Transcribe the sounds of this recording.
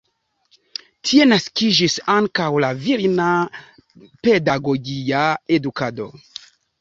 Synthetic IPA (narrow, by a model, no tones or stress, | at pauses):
tʰie̞naskid͡ʒisaŋkawlaviɾna | pe̞daɡo̞ɡiaedukado̞̰